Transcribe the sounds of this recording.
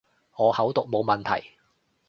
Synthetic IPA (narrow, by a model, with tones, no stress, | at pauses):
ŋɔː˨˧hɐ˨˥wt̪ʊ˨k̚mo˨˧wmɐ˨nt̪ʰɐ̰˨˩j